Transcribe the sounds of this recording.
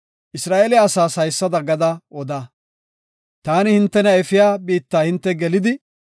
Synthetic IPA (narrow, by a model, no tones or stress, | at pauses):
ʔɪsɾaːʔɛlɪaɐːsaːsɐjsːɐd̪ɐɡɐd̪ɐɔd̪a | t̪aːnɪhɪnt̪ːɛnɐɛfɪjaːbiːt̪ːaːhɪnt̪ːɛɡɛlɪd̪ɪ